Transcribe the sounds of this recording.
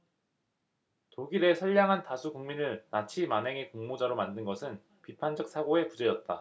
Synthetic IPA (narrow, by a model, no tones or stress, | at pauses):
toɡiɾe̞sʰʌɭːaŋɦantasʰukuŋminɯɭnat͡ɕʰimane̞ŋe̞koŋmod͡ʑaɾomandɯnɡʌsʰɯn | pipʰand͡ʑʌk̚s͈ʰaɡoe̞pud͡ʑe̞jʌt̚t͈a